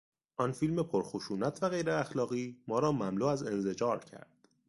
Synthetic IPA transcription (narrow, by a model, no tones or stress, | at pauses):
ʔɒnfilme̞pʰoɾxoʃuːnæt̪ʰvæɣejɾeæxlɒːɣiːmɒːɾɒːmæmluːæze̞nzed͡ʒɒːɾcʰæ̰ɾd̪̥